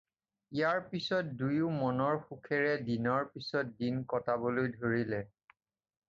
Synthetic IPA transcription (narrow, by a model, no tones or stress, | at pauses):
ijaɹpisɔt̚dujʊmɔnɔɹxukʰɛɹɛdinɔɹpisɔt̚dinkɔtabolojdʱoɹilɛ